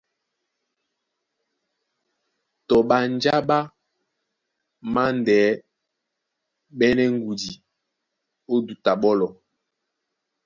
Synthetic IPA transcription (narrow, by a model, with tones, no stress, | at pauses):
tɔ˨ɓa˨n˦d͡ʒa˦ɓa˦ | ma˦ndɛː˨˦ | ɓɛ˦nɛ˦ŋ˦ɡu˨di˨ | o˦du˨ta˨ɓɔ˦lɔ˨